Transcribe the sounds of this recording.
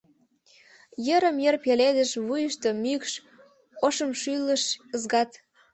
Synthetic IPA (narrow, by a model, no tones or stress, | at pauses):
jəɾəmjerpeled̪əʃβujəʃt̪əmykʃ | oʃəmʃyləʃəzɡɑt̪